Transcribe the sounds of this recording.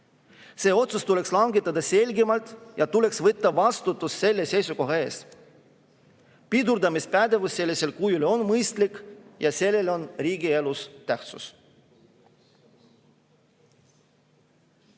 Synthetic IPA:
se̞ːo̞t̪sust̪ule̞kslɑŋɡet̪ːˑɑd̪̥ɑse̞lʲɡimɑlt̪ˑjɑt̪ule̞ksvɤt̪ːɑvɑst̪ut̪ːˑusːe̞lːe̞se̞jsuko̞ɦɑe̞ːs | pid̪uɾd̪ɑmispæd̪e̞vusːe̞lʲːisʲe̞lkujuleo̞nmɤjst̪likjɑse̞lːe̞lo̞nriːɡie̞lust̪æht̪sṵs

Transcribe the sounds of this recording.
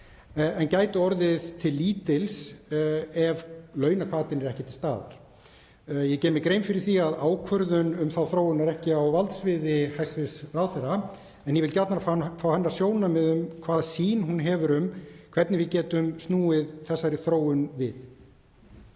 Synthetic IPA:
ɛncaːjt̪ʏɔɾðɪðt̪ʰɪlːiːt̪ɪls | ɛvlœːɥnakʰv̥aːt̪ɪnɛɾɛhcɪt̪ʰɪlst̪a̰ːva̰ɾ̥ | jɛcɛːɾmɪkɾeːjmfɪɾɪɾ̥θiaðaːwkʰvœɾðʏnʏmθawθɾoːwʏnːaɾɛhcɪawvalt̪svɪðɪhajst̪vɪsraːwθɛra | ɛnjɛvɪlcat̪naɾffaːwhɛnːḁsjoːwnamɛðʏmkʰv̥aːðsiːnɦunɦɛːvʏɾʏmkʰv̥ɛt̪nɪvɪðcɛːt̪ʏmst̪nuːɪðθɛsːaɾɪθɾoːwʏnvɪð

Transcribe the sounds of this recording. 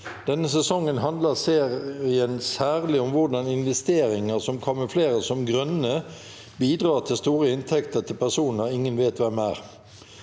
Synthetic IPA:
d̪̥ɛnːəsɛsɔŋːənɦɑnd̪ləʁseːɪənsæːʁlɪɔmʋʊʁd̪ɑnɪnʋɛst̪eːɾɪŋəʁsɔmkʰɔmːəfleːʁəsɔmɡɾœnːə | biːd̪ʁɑːʁt̪ʰɪlst̪uːʁəɪnt̪ʰɛkt̪ət̪ʰɪlpʰæʁsuːnəɾɪŋːənʋeːt̪ʋɛmæ̰ːʁ

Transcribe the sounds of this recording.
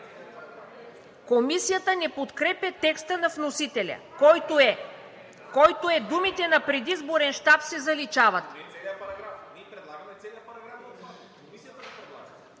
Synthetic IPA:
komisijət̪ənɛpot̪kɾɛpɛt̪ɛkst̪ənɐfnosit̪ɛlʲɐ̰ | kɔjt̪oɛd̪umit̪ɛnɐpɾɛd̪izboɾɛnʃt̪apsɛzɐlit͡ʃavɐt̪ | ɾɛd̪lˠaɡɐɛɛlɡɾa

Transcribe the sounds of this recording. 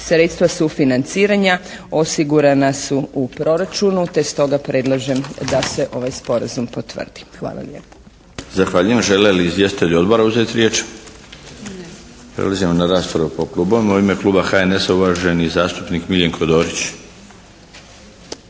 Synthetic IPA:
sɾet̪st̪ʋasufinant̪siːɾaɲao̞siɡuɾanasuupɾo̞ɾat͡ʃunut̪e̞st̪o̞ɡapɾʔe̞d̪lˠaʒe̞md̪ase̞ʔo̞ʋajspo̞ɾazumpot̪ʋə̰rd̪̥i̥xʋa̰ːlˠa̰ljeːpo̥ | zaxʋaːʎujemʒe̞leliːzʋje̞st̪it̪eʎo̞d̪bo̞ɾauze̞t̪iɾjeːt͡ʃ | pɾḛlˠazimonaɾaːspoɾupo̞klˠuːboʋemoimeklˠuːbaxaene̞sauʋaʒe̞nizaːst̪upnikmiljeŋkʰod̪o̞ːɾit͡ɕ

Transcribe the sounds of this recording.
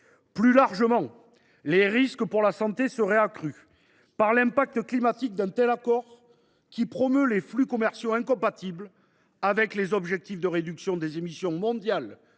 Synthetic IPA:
plylaʁʒəmɑ̃ | leʁiskəpuʁlasɑ̃t̪esəʁɛakχy | paʁlɛ̃pak̚t̪əklimat̪ik̚d̪ɛ̃t̪ɛlakɔʁ | kʲipχɔmøleflykɔmɛʁsjoɛ̃kɔ̃pat̪ibl | avɛklezɔbʒɛk̚t̪ifd̪əʁed̪yksjɔ̃d̪ezemisjɔ̃mɔ̃d̪jal

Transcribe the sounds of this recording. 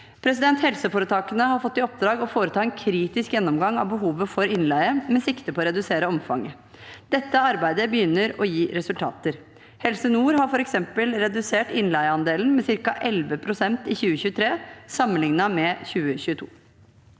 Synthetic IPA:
pʰɾɛs̬ɪd̪ɛnt̪hɛlsəfoːɾət̪ʰɑːkənəhɑɾfɔt̪ːɪɔpd̪ɾɑːɡɔfoːɾət̪ʰɑːɛːnkʰɾiːt̪ɪskjɛnːɔmɡɑŋːɑ̰ʋbəɦuːʋəfɔɾɪnlæɪəmɛsɪkt̪əpʰɔːɔɾɛd̪ʉseːɾəɔmfɑ̰ŋːə | d̪ɛt̪ːəɑɾbæɪd̪əbəjʏnːəɾɔjiːɾɛsʉlt̪ʰɑ̰ːt̪əɾ | hɛlsənuːɾhɑɾfɔɾɛksɛmpəlɾɛd̪ʉseːʈɪnlæɪəɑnd̪eːlən̩mɛsɪɾkɑʔɛlʋəpʰɾʊsɛnt̪ɪçʉːəçʉːət̪ʰɾeːsɑmːənlɪŋnɑmɛçʉːəçʉːət̪ʰṵː

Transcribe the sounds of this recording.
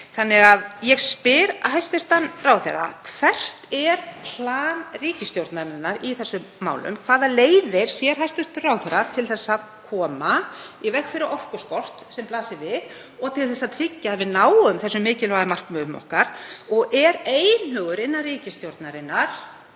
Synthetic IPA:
θanːɪɣaðjɛɣspɪɾa̰ɦajst̪ɪr̥t̪anraːwθɛ̰rːa̰kʰv̥ɛr̥t̪ɛɾpʰlaːnriːcɪst̪jowɾt̪naɾɪnːaɾiθɛsːʏːa̰ːwlʏ̰mkʰvaːðaleːjðɪɾ̥sjɛɾ̥ɦajst̪ʏr̥t̪rawθɛɾat̪ʰɪlθɛsːaðkʰɔːmaivɛxfɪɾɪɾɔr̥kʏskɔr̥t̪sɛmplaːsɪvɪð | ɔɣt̪ʰɪlθɛsːat̪ʰɾɪcːavɪðnaːwʏmθɛsːʏmːɪːcɪlvaːðɪmar̥kmœːmɔ̰hkaɾ̥ɔɣʔɛɾeːjnhœːɣʏɾɪnːariːcɪst̪jowɾt̪naɾɪnːaɾ̥

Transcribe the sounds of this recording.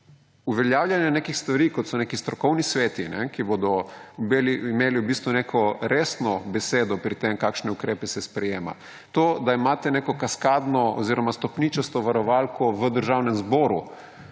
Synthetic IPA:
uʋɛljaːwljʲanjɛnekixst̪ʋaɾiːkɔt̪sɔnekist̪ɾɔkɔwnisʋeːt̪inɛ̰kibod̪ɔbeliimeːliwbist̪ʋunekʰɔɾeːsnɔbɛseːd̪ɔpɾit̪emkakʃnɛukɾepɛsɛspɾɛjeːma̰ | t̪oːd̪aimaːt̪ɛnekɔkaskaːd̪nɔoziɾɔmast̪ɔpnit͡ʃɛst̪ɔʋaɾɔʋalkɔʋəd̪əɾʒawnɛmzbɔːɾu

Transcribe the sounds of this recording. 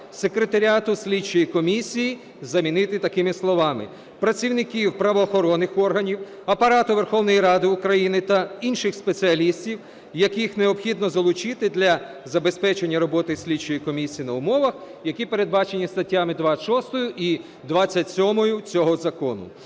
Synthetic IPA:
sekɾet̪ɐɾʲiat̪ʊsʲlʲidt͡ʃːɔjikɔmʲisʲiji | zɐmʲinɪt̪ɪt̪ɐkɪmɪslˠɔʋɑmɪ̰ | pɾɐt͡sʲiwnɪkʲiwpɾɐʋɔːxɔɾɔnːɪxɔrɦɐnʲiw | ɐpɐɾɑt̪ʊʋe̞rxɔwnɔjiɾɑd̪ɪʊkɾɐjinɪt̪ɐinʃɪxspe̞t͡sʲɪɐlʲisʲtʲiw | jɐkɪxneɔpxʲid̪nɔzɐlˠʊt͡ʃɪt̪ɪd̪lʲɐ | zɐbe̞spɛt͡ʃe̞nʲːɐɾɔbɔt̪ɪsʲlʲidt͡ʃɔjikɔmʲisʲijinɐʊmɔʋɐxjɐkʲipe̞ɾed̪̚bɑt͡ʃe̞nʲist̪ɐtʲːamɪd̪ʋaʃɔst̪ɔjʊʔi | d̪ʋɑt͡sʲːɐtʲsʲɔmɔjʊt͡sʲɔɦɔzɐkɔnʊ̰

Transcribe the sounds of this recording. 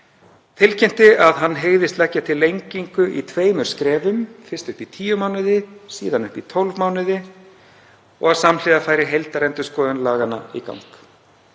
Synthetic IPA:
t̪ʰɪlcʰɛm̥t̪ɪaðɦanːɦeɣðɪst̪lɛcːat̪ʰɪlːejɲciŋkʏʔḭt̪ʰveːjmʏɾ̥skɾɛːvʏmfɪrst̪ʏhpit̪ʰiːjʏmaːwnɪðɪsḭːðanʏhpit̪ʰɔlvmaːwnɪðɪ | ɔ̰ɣaðsamlɪɣafaːjɾɪɦejlt̪aɾɛnt̪ʏskɔːðʏnlaːɣana̰ḭka̰wŋk

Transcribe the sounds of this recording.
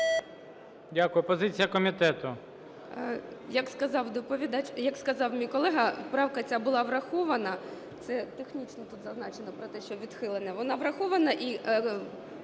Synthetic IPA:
dʲakʊjʊpɔzɪt͡sʲijɐkɔmʲit̪ɛt̪ʊ | jɐkskɐzɑwd̪ɔpɔʋʲid̪ɑt͡ʃjɐkskɐzɑwmʲijkɔlˠɛɦɐpɾɑwkɐt͡sʲabʊlˠɑʋrɐxɔʋɐnɐ | t̪sɛt̪exnʲit͡ʃnɔt̪ut̪zɐznɑt͡ʃenɔpɾɔt̪ɛʃt͡ʃɔʋʲid̪xɪlˠenɛʋɔnɑʋɾɐxɔʋɐnɐʔi

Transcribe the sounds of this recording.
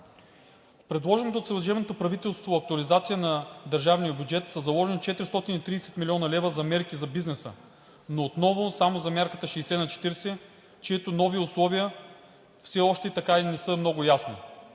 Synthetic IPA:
pɾɛd̪lˠɔʒɛnot̪oːt̪səɾəʒɛvnot̪opɾɐvit̪ɛlˠst̪voɐk̚t̪ʊɐlizat̪sijənɐd̪ɐɾʒavnijəbʲjud͡ʒɛt̪səzɐlˠɔʒɛnit̪t͡ʃɛt̪ɾist̪ɔt̪init̪ɾiːsɛ̥t̪milʲiɔnɐlɛvəzɐmɛɾkizɐbiznɛsə̰ | noːt̪nɔvosamozɐmʲjaɾkət̪əʃɛjsɛnɐt͡ʃɛ̥t̪iɾsɛ | t͡ʃɛit̪ʊnɔviʊslˠɔviə | fsɛɔʃt̪ɛit̪ɐkainɛsəmnɔɡʊjasni

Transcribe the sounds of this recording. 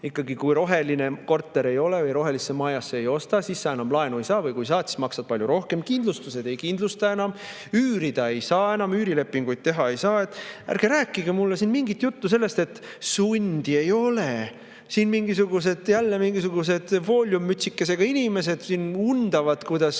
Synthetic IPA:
ikːɑɡikujɾo̞ɦe̞line̞ko̞rt̪ːˑe̞ɾe̞jo̞levɯjɾo̞ɦe̞lisːemɑːjɑsːeejo̞st̪ɑsisːɑːenɑmlɑenue̞jsɑːvɤjkujs̬ɑːt̪si̥smɑksɑd̪̥̚pɑlʲjuɾo̞hke̞mkind̪lust̪use̞d̪e̞jkind̪lust̪ɑe̞nɑm | yːɾid̪̥ɑe̞jsɑːe̞nɑmyːɾile̞pːˑiŋɡ̥ujd̪̚t̪e̞ɦɑe̞jsɑːe̞t̪ːˑæ̰ɾɡ̥eɾæːkːˑiɡemulːesinmiŋɡit̪jut̪ːuse̞lːe̞st̪e̞t̪ː | sunʲd̪̥ʲie̞jo̞le | sinmiŋɡisuɡ̥us̬e̞d̪̥jælːemiŋɡisuɡus̬e̞d̪̥vo̞ːlʲjumːyt̪ʲsikːˑese̞ɡ̥ɑinʲime̞se̞d̪̥sinund̪̥ɑvɑd̪̥kujd̪̥ɑs

